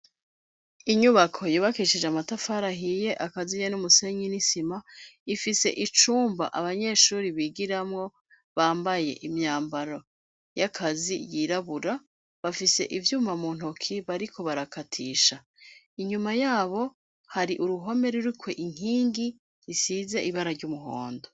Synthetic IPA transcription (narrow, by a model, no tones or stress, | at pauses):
iɲuβakʰo̞jiːβakit͡ʃid͡ʒeamatafaːɾaɦije̞ʔakazijenumuse̞ɲinisimaifise̞̰ʔit͡ʃuːmba̰ʔaβaɲe̞ːʃuːɾiβiːɡiɾamŋo̞ | βaːmbaje̞̰ʔimɲaːmbaɾo | jakʰazijiɾaβuɾa | βafise̞̰ʔivjuːmamuːn̥okʰiβaɾikʰo̞βaɾakatʰiːʃa | iɲumajaːβo̞ | haɾiʔuɾuɦo̞me̞ɾuɾukwe̞ʔiŋ̥iːŋɡi | ɾisize̞ʔiβaɾaɾɟumuɦo̰ːndo